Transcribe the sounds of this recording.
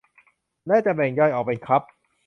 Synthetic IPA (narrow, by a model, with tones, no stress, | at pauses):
naː˥˩t͡ɕa˨˩bɛː˨˩ŋjɔː˧˩jʔɔː˨˩pa˧jkʰɾa˦˥p̚